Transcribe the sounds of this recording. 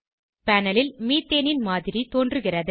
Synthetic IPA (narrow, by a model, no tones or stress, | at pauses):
pɐnɐlɪlmiːt̪ːeːnɪnmaːðɪɾit̪oːndrɯɣɪrɐðɯ